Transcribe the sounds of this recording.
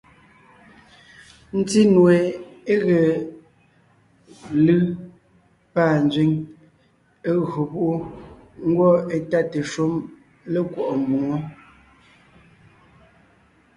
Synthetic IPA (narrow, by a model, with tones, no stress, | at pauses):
n̩˦ti˦nwe˨e˦ɣe˨ | lɯ˦ | paː˦˨n˦d͡ʒɥi˦ŋ | e˦ɣɰo˨pu˦ʔu˦ | ŋ̩˦ɡwɔ˦e˨ta˦te˨ʃo˦m | le˦kwɔ˨ʔɔ˨m̩˨bu˨ŋɔ˦